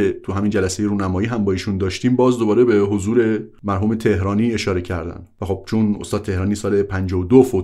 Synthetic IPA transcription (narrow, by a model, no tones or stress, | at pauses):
et̪ʰuɦæmind͡ʒælæse̞jeɾuːnæmɒːjiːɦæmbɒːiːʃund̪ɒːʃt̪iːmbɒːzd̪o̞bɒːɾe̞beɦozuːɾe̞mæɾɦuːmet̪ʰe̞ɦɾɒːniːe̞ʃɒːɾe̞cʰæɾd̪æ̰nvæxob̥̚t͡ʃʰunost̪ɒːd̪̚t̪ʰe̞hɾɒːniːsɒːle̞pʰænd͡ʒɒːod̪ofo